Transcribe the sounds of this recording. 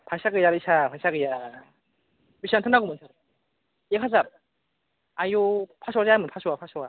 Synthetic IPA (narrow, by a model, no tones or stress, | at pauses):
pʰasaɡɯjaɾɯsʰapʰasaɡɯja | biɕiantʰɯnaɡomɯnsʰa | jekʰasap̚ | ajopʰasʰuwad͡ʑamɯnpʰasʰuwapʰasua